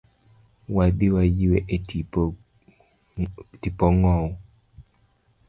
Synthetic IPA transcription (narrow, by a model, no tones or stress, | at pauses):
wadiwajiwɛʔeti | tipɔŋɔ